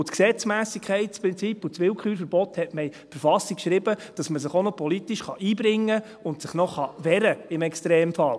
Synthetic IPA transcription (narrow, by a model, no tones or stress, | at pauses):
ʊtksɛt͡smæːsikʰχɛɪt̚t͡spɾɪnt͡sipːut͡sʋɪlkχyːɾfəɾbɔthɛtmɛfəɾfɑsikʃɾɪbəd̥ɑsməsɪχonɔpʰɔlit̪iʃχɑʔiːbɾɪŋːə | ʊntsɪχnɔχɑʋɛɾəɪmɛkstɾeːmfɑl